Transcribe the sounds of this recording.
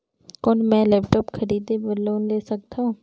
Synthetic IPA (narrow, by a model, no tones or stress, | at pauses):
koːnmɛ̃ːlɛːpʈɔːpkʰəɾiːd̪ebəloːnleːsək̚t̪aũ